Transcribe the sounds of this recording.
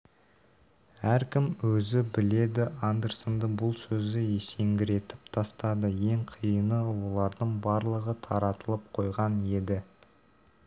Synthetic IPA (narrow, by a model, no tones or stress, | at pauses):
æɾkʲɪmwɵzɪbɪle̞d̪ɪʔand̪eɾsənd̪əbʊlˠsɵzɪje̞se̞ŋɡʲɪɾe̞t̪ɪ̥p̚t̪ʰɑst̪ɑd̪əje̞ŋqʰijənəwo̞lˠɑɾd̪əɴbɑɾlˠəʁət̪ʰɑɾɑt̪əlˠəp̚qʰo̞jʁɑne̞d̪ɪ